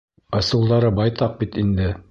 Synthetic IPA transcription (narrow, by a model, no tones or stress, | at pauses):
ɑsŭlˠd̪ɑɾɤbɑjt̪ɑq̚bit̪ind̪ɘ